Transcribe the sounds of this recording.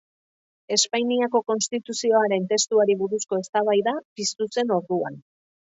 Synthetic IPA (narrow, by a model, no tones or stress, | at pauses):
e̞spajniako̞ko̞nst̪it̪usio̞aɾe̞nt̪e̞st̪uaɾiβ̞uɾusko̞e̞st̪aβ̞ajðapist̪use̞no̞ɾðuan